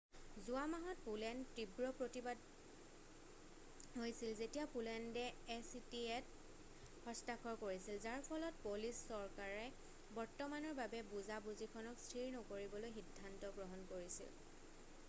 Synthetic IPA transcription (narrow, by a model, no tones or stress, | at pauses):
zʊamaɦɔt̚pulɛntːibɹɔpɹotibad | ɦojsilzetijapulɛndɛɛsitiɛt | hɔstakʰɔɹkoɹisilzaɹpʰɔlɔt̚polisːɔɹkaɹɛ | bɔɹtɔmanɔɹbabɛbuzabuzikʰɔnɔkstʰɹiɹnɔkoɹibɔlojxidʱːantɔɡɹɔɦɔnkoɹisḭl